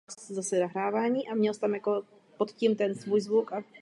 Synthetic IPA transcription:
szasɛnaɦɾaːvaːɲiːʔamɲɛlst̪amjako | pot̪cimt̪ɛnsvuːjzvukʔa

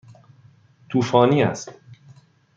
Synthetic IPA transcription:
t̪ʰuːfɒːniːæ̰st̪

